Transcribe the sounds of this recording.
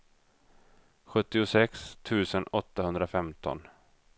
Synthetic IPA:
ɧɵt̪ːɪʊsɛkst̪ʰʉ̟ːsənɔt̪ːahɵnd̪ɾafɛmt̪ʰɔ̰n

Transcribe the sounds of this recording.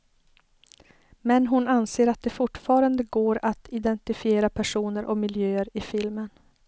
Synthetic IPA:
mɛnɦʊnanseːɾat̪̚d̪ɛfʊʈːfɑːɾand̪əɡoːɾat̪ɪd̪ɛnt̪ɪfɪeːɾapʰæʂuːnəɾʔɔmɪljøːəɾɪfɪlmən

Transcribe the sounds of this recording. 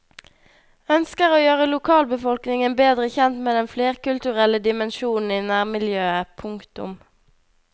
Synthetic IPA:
œnskəʁoːjøːʁəlʊkʰɑːlbəfɔlknɪŋənbeːd̪ʁəçɛnt̪meːd̪ɛnfleːʁkʉlt̪ʉʁɛləd̪ɪmɛnʃuːn̩iːnæːʁmɪljøːəpʰʊŋkt̪ʊ̰m

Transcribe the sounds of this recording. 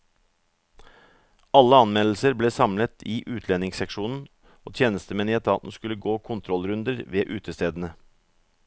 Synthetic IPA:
ɑlːəɑnmɛll̩səɾbleːsɑmlət̪ʰiːʔʉːt̪ʰlɛnɪŋsɛkʃuːnn̩ | oːt̪ʰjeːnəst̪əmɛːnɪɛt̪ʰɑ̰ːt̪n̩skʉləɡoːkʰʊnt̪ʰɾɔlɾʉnd̪əɾʋeːʔʉːt̪əst̪eːd̪ən̩ə

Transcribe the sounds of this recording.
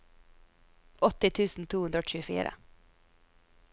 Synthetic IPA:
ʔɔt̪ɪt̪ʰʉːsn̩t̪ʰuːʉnɾɔːc͡çʉːəfḭːɾə̰

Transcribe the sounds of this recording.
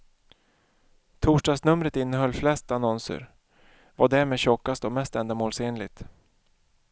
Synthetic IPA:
t̪ʰuːʂɖɑːɡsnɵmɾət̪ɪnːəɦœlːflɛst̪anɔnsə̰ɾ | vaɖæɾmeːd̪ɕɔkːast̪ɔmɛst̪ɛnd̪amoːlseːnlɪɡ̚t̪

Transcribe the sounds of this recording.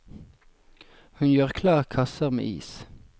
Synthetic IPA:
hʉnjøːʁkʰlɑːʁkʰɑsəʁmḛːʔḭːs

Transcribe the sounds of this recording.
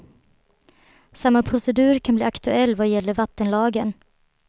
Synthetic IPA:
samːapʰɾʊsɛd̪ʉ̟ːɾkʰanbliːakt̪ɵɛlːvajɛlːəɾvat̪ːənlɑːɡən

